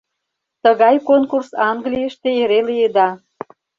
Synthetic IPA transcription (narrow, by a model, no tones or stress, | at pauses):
t̪əɣɑjkonkursɑŋɡlijəʃt̪eeɾelijed̪ɑ